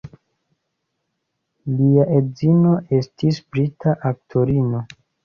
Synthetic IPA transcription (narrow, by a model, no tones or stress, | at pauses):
liaʔe̞zino̞ʔe̞stisbɾitʰaʔaktʰo̞ɾino̞